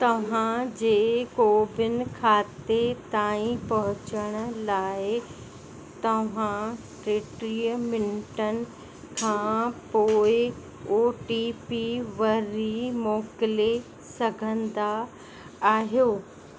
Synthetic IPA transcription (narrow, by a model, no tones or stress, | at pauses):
t̪ɐʋ̤ãd͡ʑeːkoːbɪn̆kʰaːt̪et̪aːĩpɐɦʊt͡ɕəɽ̃ə̆laːɪ | t̪ɐʋ̤ã | ʈɾeːʈɾijəmɪnʈənɪ̆ | kʰãːpoːɪ | oːʈipiʋɐɾimɔːkɪle | sɐɡʱə̃nd̪aː | ɦjoː